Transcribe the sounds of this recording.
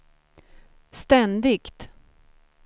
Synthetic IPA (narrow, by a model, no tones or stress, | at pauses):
st̪ɛnd̪ɪkt̪